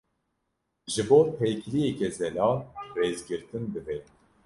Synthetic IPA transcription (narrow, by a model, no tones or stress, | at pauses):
ʒɨboːpʰɛjklijɛkɛzɛlɑːnrezɡɨɾt̪ɨnd̪ɨvɛ